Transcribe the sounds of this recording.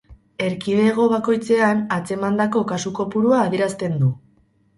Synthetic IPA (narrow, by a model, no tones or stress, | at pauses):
e̞ɾkið̞e̞ɣ̞o̞βako̞jt͡se̞anat͡se̞mand̪ako̞kasuko̞puɾuaːðijeɾast̪e̞nd̪u